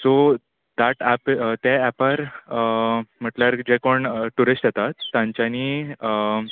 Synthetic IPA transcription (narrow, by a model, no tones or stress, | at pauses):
so | d̪̥aʈæpt̪eːpəɾ | m̤əʈljaɾd͡ʑekoɳʈuɾisʈjet̪at̪ːãɲt͡ɕjani